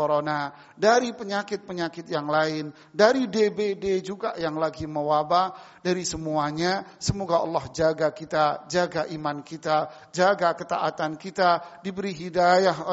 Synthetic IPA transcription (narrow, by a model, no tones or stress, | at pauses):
oɾona | daɾipəɲakɪt̪̚pəɲakɪt̪̚jaŋlaɪn | daɾidebeded͡ʒuɡajaŋlaɡiməwabahdaɾisəmuaɲasəmoɡaʔɑ̰lːɑhd͡ʒaɡakit̪ad͡ʒaɡaʔimankit̪a | d͡ʒaɡakət̪a̰ʔat̪ankit̪adibəɾiɦidajaɦ